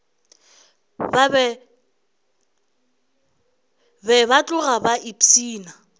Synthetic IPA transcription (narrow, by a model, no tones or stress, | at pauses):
bbɛ | bɛβat͡ɬʼʊɣabaʔitʰiːna